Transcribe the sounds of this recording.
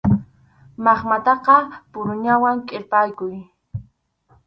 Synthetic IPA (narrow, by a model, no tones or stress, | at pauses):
mɑχmat̪ɑqɑpʊɾʊɲawaŋkʼɪɾpajkʊj